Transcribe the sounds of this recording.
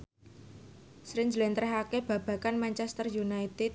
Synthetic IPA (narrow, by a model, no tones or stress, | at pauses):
sɾiɲd͡ʒlɛnt̪ɾɛɦakeb̥ä̤b̥ä̤kanmant͡ʃɛst̪ərjunait̪ɪ